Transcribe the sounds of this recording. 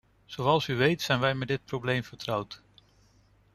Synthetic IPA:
z̥owɑlˠsyʋejtsɛjnʋɛjmɛt̚dɪt̚prowblejmvəɹtrʌwt

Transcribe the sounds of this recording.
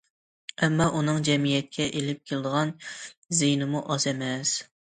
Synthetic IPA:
ɛmːɑʔunɨŋd͡ʒɛmijɛt̪̚kʲʰɛʔelɪp̚kʲʰelɪd̪əʁɑnzejnɨmuʔɑzɛmɛs

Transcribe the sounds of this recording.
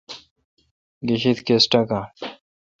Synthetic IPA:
ɡiɕit̪kesʈaka

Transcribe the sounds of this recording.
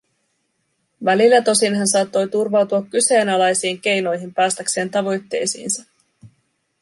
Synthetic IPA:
ʋælilːæt̪o̞sinɦɑnsɑːt̪ːo̞jt̪urʋɑwt̪uɑkːyse̞ːnɑlɑjsiːŋk̟e̞jno̞jɦimpæːst̪ækse̞ːnt̪ɑʋo̞jt̪ːe̞̰jsḭːnsɑ

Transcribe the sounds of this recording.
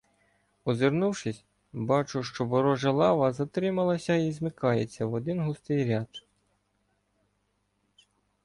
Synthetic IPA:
ɔzɪɾnuwʃɪsʲ | bɑt͡ʃʊʃt͡ʃɔbɔɾɔʒɐlˠɑʋɐzɐt̪ɾɪmɐlˠɐsʲɐizmɪkɑjet͡sʲːɐwɔd̪ɪnɦust̪ɪjɾʲɑd̪

